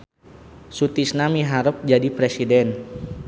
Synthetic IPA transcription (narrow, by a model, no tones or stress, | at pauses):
sut̪isnamiɦaɾəp̚d͡ʒadipɾesidɛn